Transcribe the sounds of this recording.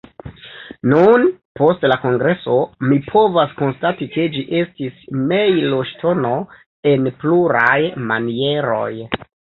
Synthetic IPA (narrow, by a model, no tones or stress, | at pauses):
nunpo̞stlako̞ŋɡɾe̞so̞mipʰo̞vasko̞nstatike̞d͡ʒiʔe̞stisme̞jloʃtʰo̞no̞ | e̞npluɾajmanie̞ɾo̞̰j